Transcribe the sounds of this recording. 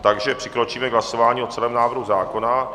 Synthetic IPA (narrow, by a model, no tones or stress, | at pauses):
t̪aɡʒɛpr̥ɪkɾo̞t͡ʃiːmɛɡɦlaso̞vaːɲiːo̞t͡sɛlɛːmnaːvɾ̩ɦuzaːko̞na